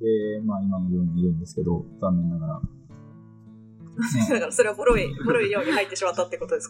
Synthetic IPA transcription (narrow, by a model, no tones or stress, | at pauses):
emaimajõɲiɾɯ̟̃nd̪e̞sɨ̥ke̞d̪o̞̰d̪amenːaɡaɾa̰ | d̪aɡaɾaso̞ɾe̞βaboɾo̞iboɾo̞ijo̞ːɲ̟ihait̪ːe̞ɕimat̪ːat̪ːeko̞t̪o̞d̪esk